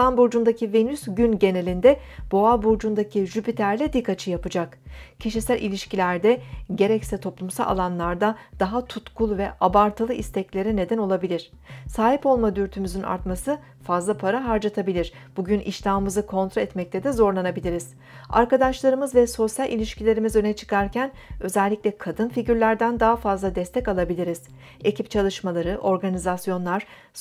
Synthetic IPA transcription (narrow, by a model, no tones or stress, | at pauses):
anbuɾd͡ʒund̪acʰive̞nysɟynɟe̞ne̞lʲind̪ɛ | b̥o̞abuɾd͡ʒund̪acʰiʒypit̪ʰæɾlʲɛd̪ikʰːat͡ʃʰɯjapɯd͡ʒakcʰiʃisælʲʔḭlʲiʃcilʲæɾd̪ɛɟe̞ɾɛcsɛt̪ʰo̞plˠumsa̰lʲˠa̰lˠanlˠaɾd̪ad̪̥aɦat̪ʰut̪kʰulˠvɛʔabaɾt̪ʰalˠɯʔist̪ʰɛclʲe̞ɾɛne̞d̪æno̞lˠabilʲiɾ̥ | saːɦipo̞lˠmad̪yɾt̪ʰymyzyna̰ɾt̪masɯ | fazlˠapʰaɾaɦaɾd͡ʒat̪ʰabilʲiɾ̥ | b̥uɟynḭʃlʲamɯmɯzɯkʰo̞nt̪ɾoɛt̪mɛc̚t̪ʰɛd̪ɛzo̞ɾlˠanabilʲiɾiz̥ | a̰ɾkad̪aʃlˠaɾɯmɯzvɛso̞sjalʲʔḭlʲiʃcilʲe̞ɾimizø̞nɛt͡ʃʰɯ̥kʰaɾcʰæn | ø̞zɛlʲːicʲlʲɛkʰad̪ɯnfiɟyɾlʲæɾd̪ænd̪aɦafazlˠad̪ɛst̪ʰɛcalˠabilʲiɾiz̥ | e̞cʰipt͡ʃʰalˠɯʃmalˠaɾɯʔo̞ɾɡanizasjo̞nlˠaɾ̥